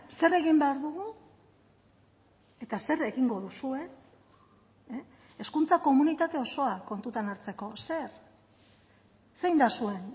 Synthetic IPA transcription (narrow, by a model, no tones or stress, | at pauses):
se̞re̞ɣimbe̞aɾðuɣu | e̞t̪ase̞re̞ɣiŋɡo̞ðusue̞ | eskunt͡sako̞munit̪at̪e̞o̞so̞ako̞nt̪ut̪anaɾt͡se̞ko̞se̞ɾ | sejnd̪asue̞n